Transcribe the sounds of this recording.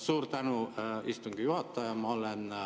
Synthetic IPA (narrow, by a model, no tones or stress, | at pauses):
suːrt̪ænuist̪uŋɡ̥ijuhɑt̪ːɑjɑmɑolen